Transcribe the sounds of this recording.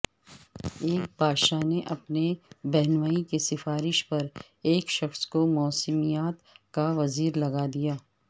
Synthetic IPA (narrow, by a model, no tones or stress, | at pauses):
eːk̚bʱaːd̪ʃaneʔɐpnebɛɦnʋaːikesɪfaːɾɪʃpɐɾ | eːkʃɐxskomɔːsəmijaːt̪kaʋɐziːɾlɐɡad̪ijaː